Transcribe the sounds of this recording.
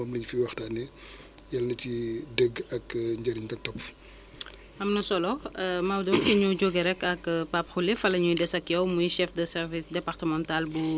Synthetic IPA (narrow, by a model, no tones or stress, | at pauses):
ɐmliɲfiwɐxtanɛ | jɐlːɐcidəɡɐkɲd͡ʒɐɾintɐk̚tɔpf | ɐmnɐsɔlɔmɐwdɔfiɲuɟoɡeɾɛkːɐkpapxulefɐlɐɲujdɛsɐkjɛwmujʃɛfdəsɛrvisdɛpartəmɔ̃ntalbu